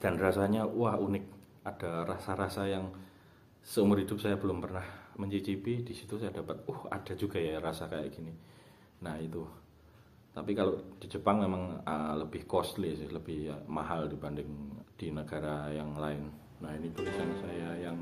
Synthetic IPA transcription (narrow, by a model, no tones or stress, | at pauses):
d̥anrasaɲawahunɪk̚ | ad̥arasaɾasajaŋ | səumʊrɦidʊp̚sajabəlʊmpərnahməɲt͡ʃit͡ʃipidisit̪usajadapat̪̚ʊha̰d̥a̤d͡ʒuɡajaɾasakaja̰ʔɡ̥ini | nahit̪u | t̪apikalod̥i̤d͡ʒəpaŋmemaŋələbɪhkɔslisɪhləb̥ɪhmaɦaldibandɪŋd̥inəɡ̥aɾajaŋlaɪnː | ainit̪ubisansajajaŋ